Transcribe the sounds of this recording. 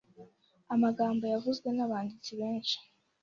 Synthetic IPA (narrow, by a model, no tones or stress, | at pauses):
amaɡaːmbo̞javuzɡwe̞naβaːndit͡siβe̞ːnʃi̥